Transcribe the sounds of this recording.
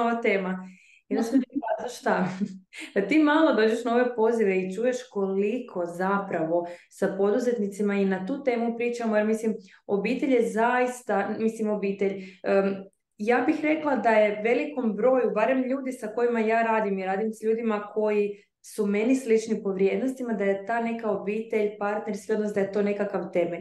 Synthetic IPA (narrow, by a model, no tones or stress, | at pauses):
oʋat̪e̞ːma | inaʃt̪ozaʃt̪a | at̪iːmalˠo̞d̪o̞ːd͡ʑeʃnao̞ʋe̞po̞ziʋe̞it͡ʃuːje̞ʃko̞likʰo̞zapɾaʋo̞sapo̞d̪uze̞t̪nit̪simainat̪uːt̪e̞ːmupɾiːt͡ʃamojeɾmislim | o̞bit̪e̞ʎje̞zajist̪amislimo̞biːt̪eʎə | jaːbixɾe̞klˠad̪aje̞ʋe̞liko̞mbɾo̞ːjubaɾe̞mʎuːd̪isako̞jimajaːɾaːd̪imiɾaːd̪imsʎuːd̪imakʰo̞ji | sume̞nislit͡ʃnipo̞ʋɾjed̪no̞st̪imad̪aje̞t̪aːne̞kao̞biːt̪e̞ʎpaɾt̪neɾskio̞d̪nosd̪aje̞t̪o̞ne̞kakaʋt̪e̞me